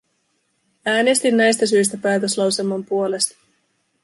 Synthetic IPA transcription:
æːne̞st̪inːæjst̪æs̬yjst̪æpæːt̪ø̞slɑwse̞lmɑmpuo̞le̞st̪ɑ̥

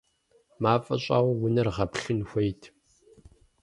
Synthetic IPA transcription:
maːfʼɐ̰ɕʼa̰ːʁʷʊwʊnɐrʁɐpɬɨnxʷɐjtʰ

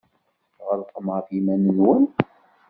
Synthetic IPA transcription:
ʁəɾqːməfimænənwən

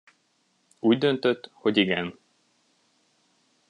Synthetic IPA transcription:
uːɟd̪ø̞nt̪øt̪ːho̞ɟiɡɛn

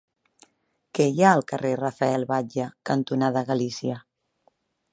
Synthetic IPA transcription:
kɛjaəlˠkərerafaɛlˠβaʒəkant̪unaðəɣalisiə

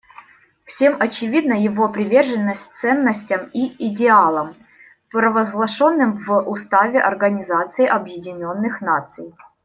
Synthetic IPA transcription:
fsʲe̞mɐt͡ɕɪvʲid̪nəjɪvopɾʲɪvʲe̞rʐɨnːəsʲt̚ʲt̪sɛnːəsʲtʲəmiɪdʲɪalˠəm | pɾəvəzɡlˠɐʂo̞nːɨmvʔʊst̪avʲɪʔɐrɡənʲɪzat̪sɨɪʔɐbjɪdʲɪnʲo̞nːɨxnat̪sɨj

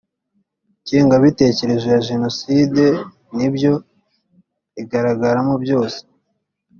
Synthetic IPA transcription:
ceːŋɡaβite̞ːce̞ɾe̞ʒejaʒe̞no̞siːde̞ | nibjo̞ | iɡaɾaɡaɾamo̞bjo̞ːse̥

